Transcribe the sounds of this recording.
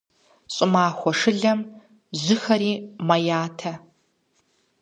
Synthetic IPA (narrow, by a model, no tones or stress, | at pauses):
ɕʼɪmaːxʷɔʂɨɮɐm | zʷɪxɐɾiːmɐjaːtʰɐ